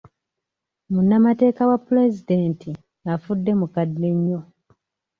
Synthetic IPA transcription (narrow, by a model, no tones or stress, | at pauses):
munːamate̞ːkawapːule̞zideːntʰi | ŋafudːe̞mukadːeɲːo̞